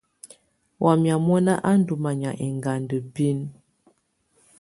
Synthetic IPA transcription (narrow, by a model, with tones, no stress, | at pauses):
wʔa˨mja˨mɔ˦na˦ʔa˦n˦du˨ma˨ɲa˨ʔe˨ŋɡa˨ndə˨bi˦n